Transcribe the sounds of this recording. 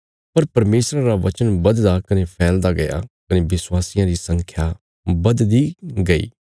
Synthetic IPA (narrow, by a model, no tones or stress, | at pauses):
pɐɾpɐɾmeːsɾãːɾaːʋɐt͡ʃənbɐd̪d̪aːkɐneːpʰɛːld̪aːɡɐja̰ːkɐneːʋɪswaːsijãːɾiːsə̃ŋkʰjaː | bɐd̪d̪iːɡɐḭː